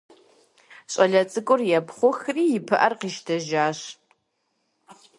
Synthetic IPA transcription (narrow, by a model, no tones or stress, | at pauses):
ɕʼɐɮɐt͡sʼɨkʷʼʊrjɛpʰχʷʊxriːɪpʰɨʔɐrqiːʃtʰɐʒaːɕ